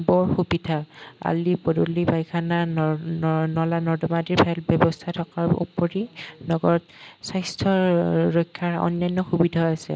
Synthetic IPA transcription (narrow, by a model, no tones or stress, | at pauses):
bɔɹxubidʱaa̰lipɔdolibajkʰana | nɔlanɔdɔmadiɹbʰɛlbjɔbɔstʰatʰɔkaɹṵpɔɹinɔɡɔɹɔt̚sajstʰɔɹɔjkʰːaɹɔ̰nːajnːɔxubidʱɔasɛ̰